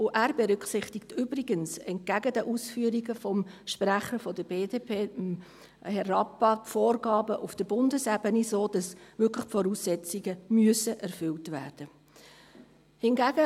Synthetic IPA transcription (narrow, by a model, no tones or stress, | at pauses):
ʊʔæːɾbɛɾʏkχsɪχtɪktʏbɾiɡənsɛnt̚ɡæɡədəʔuːsfyːəɾiɡəfɔmʃpræχəɾfɔdəbeːdeːpʰeːm | hɛrɑpːɑtfoːrɡɑːbəʔufd̥əbʊndəsɛbənisoːd̥ɑsʋʏkʰləχpfɔɾuːsːɛt͡siɡəmyəsəʔɛɾfʏltvæːrd̥ə | hɪnɡæɡə